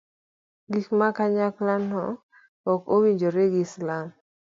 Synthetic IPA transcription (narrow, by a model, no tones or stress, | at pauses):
ɡikmakaɲaklanɔ | ɔkowiɲd͡ʒoɾeɡɪslam